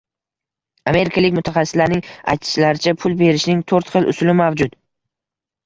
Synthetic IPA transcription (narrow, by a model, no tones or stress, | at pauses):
ame̞ɾɪkʰalɪkʲmʊt̪ʰaχɑsːɪslaɾnɪŋa̰jt̪ʰɪ̥ʃlaɾɪt͡ʃʰapʰʊlˠbe̞ɾɪʃnɪŋt̪ʰoɾt̪χɨlˠʊ̰sʊlɪmavd͡ʒʊt̪